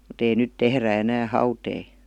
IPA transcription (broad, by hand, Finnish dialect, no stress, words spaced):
mut ei nyt tehræ enæː hɑutei